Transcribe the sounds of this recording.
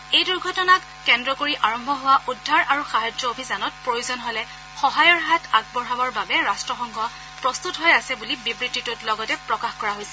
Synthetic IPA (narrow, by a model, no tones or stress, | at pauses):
ejduɹɡʱɔtɔnakːɛndɹɔkoɹiʔaɹɔmbʱɔɦʊwaʔudʱːaɹʔaɹuxaɦad͡ʒɔobʱisanɔt̚pɹojuzɔnɦɔlɛ | xɔɦajɔɹɦatʰaɡ̚bɔɹɦabɔɹbabɛɹastɹɔxɔŋɡʱɔ | pɹɔst̪utɦojasɛbulibibɹititʊtlɔɡɔtɛpɹɔkaxkɔɹaɦojsɛ